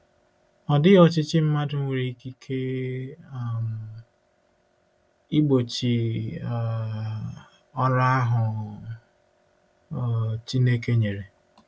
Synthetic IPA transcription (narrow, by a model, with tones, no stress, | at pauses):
ɔ˨dɪ˦ɔ˨t͡ʃɪ˦t͡ʃɪ˦m̩˦ma˦dʊ˦ŋʷ˦e˨ɾi˦ki˦kʰe˦ | a˨m̩˨ | i˦ɡ͡bo˨t͡ʃi˨ | ɔ˦ɾa˦a˦ɦʊ˨ | t͡ʃi˦ne˦ke˦ɲe˨ɾe˨